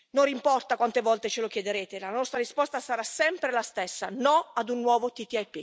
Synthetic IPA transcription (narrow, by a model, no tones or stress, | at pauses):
norimpɔrt̪akwant̪evɔlt̪et͡ʃelokjed̪eɾeːt̪elanɔst̪ɾaɾispɔst̪asaɾasɛmpɾelast̪esːanɔad̪unːwɔːvot̪it̪iɛpːi